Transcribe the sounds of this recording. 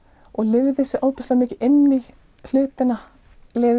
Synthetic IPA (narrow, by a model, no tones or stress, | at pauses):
ɔɣlɪɾðɪsɪʔaːwpɪst̪lamɪːcɪʔɪnːi | l̥ʏːt̪ɪna | leː